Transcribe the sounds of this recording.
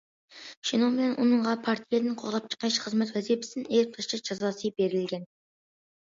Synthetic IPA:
ʃenomɪnɛnʔunɨɴʁɑpʰɑɾt̪ʰijed̪ɪnqʰoʁlˠɑp̚t͡ʃʰə̥qːɑʃχəzmɛt̪wæzipʰɪ̥sɪnet̪ʰəʃt͡ʃʰɑʒ̥ɑzɑsəbeɾɪlɡʲɛn

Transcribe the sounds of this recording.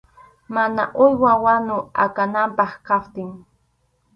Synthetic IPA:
manaʔʊjwawanʊa̰kanampɑχkapt̪ɪŋ

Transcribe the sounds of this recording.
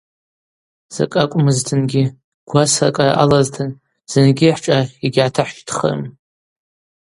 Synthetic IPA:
z̥a̰kʼakʷʼmɨztʰɨnɡʲi | ɡ̥ʷasa̰kʼaʔalaztʰɨn | z̥ɨnɡʲiħʈ͡ʂʼaiɡʲʕatʰaħʃtʰχə̰rm

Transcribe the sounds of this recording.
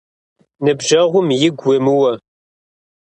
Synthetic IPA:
nɨbʒɐʁʷʊmjɪɡʷʊmɨwɐ

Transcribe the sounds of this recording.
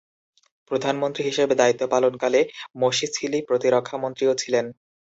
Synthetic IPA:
pɾod̪ʱanmont̪ɾiɦiʃebed̪ait̪ːopalonkalemoʃisʰilipɾot̪iɾokʰːamont̪ɾiot͡ɕʰilen

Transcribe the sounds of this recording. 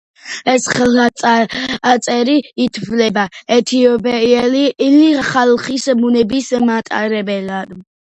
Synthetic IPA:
ɛsχɛl | at̪sʼɛɾiit̪ʰvlɛbaɛt̪ʰiɔbɛɛliliχalχismunɛbismat̪ʼa̰ɾɛbɛlad̪

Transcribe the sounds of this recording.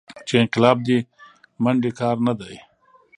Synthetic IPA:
t͡ʃeɪnqɪlɑːb̚d̪i | mɐɳɖikɑːɾnad̪aj

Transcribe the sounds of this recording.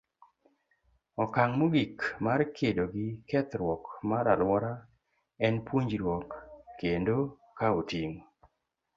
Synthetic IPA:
ɔkaŋmoɡikmarkʰedoɡɪkɛt̪ɾwɔkmaɾalwɔɾa | ɛnpwoɲd͡ʒɾwɔkːendo | kaotiŋ

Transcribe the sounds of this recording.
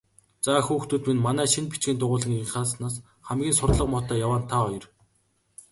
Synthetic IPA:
t͡saxuːxt̪uːt̪minmanæːʃinpit͡ɕɡʲiːnt̪ʊʁʊːɮə̆ŋiɴχaːsnaːs | χæmɡʲiːnsʊrt̪ɮə̆qmɔt̪æːjawaːnt̪ʰaɔjɞ̆r

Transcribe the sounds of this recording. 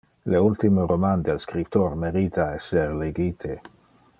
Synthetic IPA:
leult̪imoɾomand̪elskɾipt̪ormeɾit̪ʰaɛsːerleɡit̪ʰe

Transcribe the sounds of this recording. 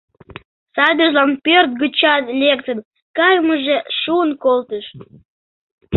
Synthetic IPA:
sɑbʲəʒlɑnpørt̪̚ɡət͡ɕɑnlekt̪ən | kɑjməʒeʃuənkolt̪əʃ

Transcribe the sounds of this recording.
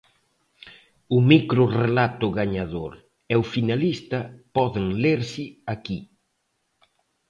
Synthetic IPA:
ʊmikɾʊrelat̪ʊɣaɲaðoɾ | ɛʊfinalist̪ɐpɔðeŋleɾsɪaki

